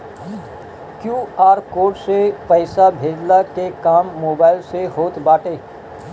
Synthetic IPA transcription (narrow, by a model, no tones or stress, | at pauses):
kjuːaːɾkoːɖsepəɪsabʱeːd͡ʒlakekaːmːoːbaːɪlseɦoːt̪baːʈeː